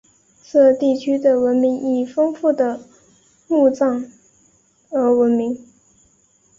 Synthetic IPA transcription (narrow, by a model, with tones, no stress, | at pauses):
t͡sɤ˥˧t̪i˥˩t͡ɕʰy˥d̪ə˨wə˧˥nmi˧˥ŋi˨˩fɤ˥ŋfu˥˩d̪ə˩ | mu˥˧t͡sɑ˥˩ŋ | ə˧˥wə˧˥nmi˧˥ŋ